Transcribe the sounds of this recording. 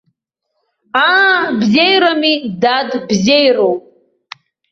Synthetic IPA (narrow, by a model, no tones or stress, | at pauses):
abzejɾamidadbzejrowp̚ʼ